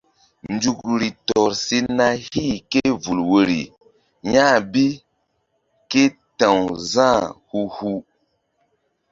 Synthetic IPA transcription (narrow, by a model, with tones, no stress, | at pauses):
n˦d͡ʒu˦kɾi˨tɔ˨ɾsi˦na˦hi˦˨ke˦vu˨lwo˨ɾḭ˨ | ɲa˦bi˦ | ke˦ | tã˨wzã˦˨hu˦hu˦